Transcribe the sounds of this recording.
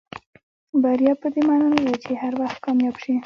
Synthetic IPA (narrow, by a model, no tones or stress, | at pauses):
baɾijɑpəd̪emanɑlad̪at͡ʃehaɾwaxt̪̚kɑmjɑbʃi